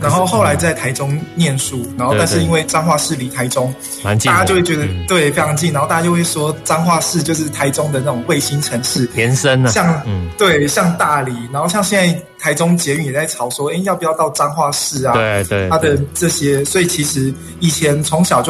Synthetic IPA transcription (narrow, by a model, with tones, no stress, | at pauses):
na˧˥nxo˥˧ʊxo˥˩ʊla˧˦ɪt͡sa˥˩ɪt̪ʰa˧˥ɪʈ͡ʂʊ˥ŋnjɛ˥˨nʂu˥˩na˨˩nxo˧a˥˧nʂɻ̩˥˩˧i˦˥nwe˥˩ɪʈ͡ʂa˥ŋxwa˥˧ʂɻ̩˥˩li˨˥˩t̪ʰa˧˥ɪʈ͡ʂʊ˥ŋ | a˥˧t͡ɕa˥t͡ɕjo˥˧we˥˩t͡ɕɛ˧˥d̪ə˧t̪we˥˩ɪfe˥ɪʈ͡ʂʰɑ˧˥ŋt͡ɕi˥˨na˧˥xt̪a˧˩a˧˥jo˥˧wɪʂwɔ˥ʈ͡ʂa˥ŋxwa˥˧ʂɻ̩˥˧t͡ɕjo˥˧ʊʂɻ̩˥˩t̪ʰa˧˥ɪʈ͡ʂʊ˥ŋd̪ə˨na˥˩ʊ˨˩ŋwe˥˩ɪɕi˦˥nʈ͡ʂʰə˧˥˦ŋʂɻ̩˥˩ɛ˧˦nsə˦˥nɕjɑ˥˧ŋt̪we˥˩ɪɕjɑ˥˧ŋt̪a˥˩li˨˩˦na˨˧nxo˥˧ʊɕjɑ˥˧ŋɕjɛ˥˧nt͡sa˥˩ɪt̪ʰa˧˥ɪʈ͡ʂʊ˥ŋt͡ɕjɛ˧˥y˨˩njɛ˨˩t͡sa˥˩ɪʈ͡ʂʰɑ˨˩ʊʂwɔ˥e˥ɪjɑ˥˩pi˨˩jɑ˥˧t̪ɑ˥˩ʊʈ͡ʂa˥ŋxwa˥˧ʂɻ̩˥˩at̪ʰa˥d̪ə˨ʈ͡ʂɤ˥˧˩ɕjɛ˥swɔ˧˥i˨˩t͡ɕʰi˧˥ʂɻ̩˧˥ | i˨˩t͡ɕʰjɛ˧˥nt͡sʰʊ˧˦˥ŋɕjɑ˨˩ʊt͡ɕjo˥˩